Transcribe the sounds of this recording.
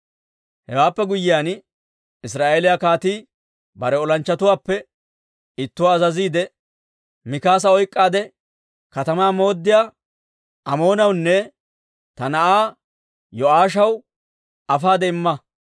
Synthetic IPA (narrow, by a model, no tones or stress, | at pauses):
hɛwaːpːɛɡʊjːɪjaːn | ɪs̬ɾaːʔeːlɪjakaːt̪iː | bɐɾɛɔlɐnt͡ʃːɐt̪ʊwaːpːɛ | ɪt̪ːʊwaːzɐziːd̪ɛ | mɪkaːs̬ɐɔjkʼːaːd̪ɛ | kɐt̪ɐmaːmo̞ːd̪ːɪjaː | ɐmo̞ːnɐwnːɛ | t̪ɐnɐʔaː | jɔaːʃ̬ɐw | ɐfaːd̪ɛɪmːɐ